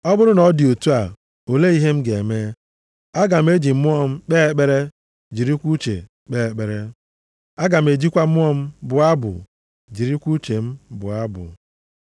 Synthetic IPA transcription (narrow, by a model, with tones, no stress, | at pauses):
ɔ˦bʊ˦ɾʊ˦nɔ˨˦di˨o˨tu˦a˨ | o˨le˦i˦ɦe˦m̩˦ɡe˨me˦ | a˦ɡa˨m̩˦e˦d͡ʒi˨m̩˦mʊ˦ɔ˦m̩˦k͡pe˦e˦k͡pe˦ɾe˦ | d͡ʒi˨ɾi˦kʷu˦t͡ʃḛ˨ | k͡pe˦˨k͡pe˨ɾe˦ | a˦ɡa˨m̩˨e˨d͡ʒi˦kʷa˦ʊ˦ɔ˦m̩˦bʊ˨a˦bʊ̰˨ | d͡ʒi˨ɾi˦kʷu˦t͡ʃe˨m̩˦bʊ̰˨a˦bʊ̰˨